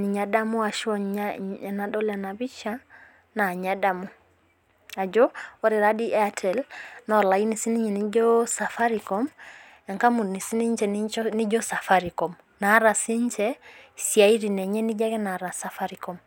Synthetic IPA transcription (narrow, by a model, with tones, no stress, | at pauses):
ni˨ɲa˨da˦mu˦a˨ʃɔ˦a˨na˨dɔ˦la˨na˨bi˦ʃa˦ | na˨ɲa˨da˦mu˦ | a˨d͡ʒɔ˦ɔ˦ɾi˨ɾa˦di˦ʔɛ˦a˨tʰɛ˨lnɔ˨la˨i˦ni˨si˦ni˦ɲɛ˨ni˦d͡ʒɔ˦sa˨fa˦ɾi˨kɔ˦m | a˨ŋka˦mu˨ni˨si˦ni˦ɲ˦t͡ʃɛ˨nni˦d͡ʒɔ˦sa˨fa˦ɾi˨kɔ˨m | na˨˦ɾa˨si˦ɲ˦t͡ʃɛ˦si˨a˨i˦ɾi˨nɛ˨ɲɛ˦ni˦d͡ʒa˦kɛ˦na˨ɾa˨sa˨fa˦ɾi˨kɔ˦m